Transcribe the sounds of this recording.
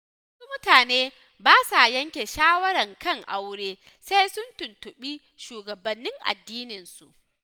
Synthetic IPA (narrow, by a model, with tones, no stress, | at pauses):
wwɐ˦su˦mʊ˦taː˨neː˦ | baː˦sa˨jɐ˦ŋkʲe˨ʃaː˦wɐ˦ɾɐ˨ŋkɐ˦˨ŋʔa˦wɽeː˦ | sa˦jsʊ˦ntʊ˨ntʊ˨ɓiː˦ | ʃuː˨ɡɐ˨bɐ˨nːɪ˦ŋʔa̰˨dːiː˦nɪ˨nsu˨ʔ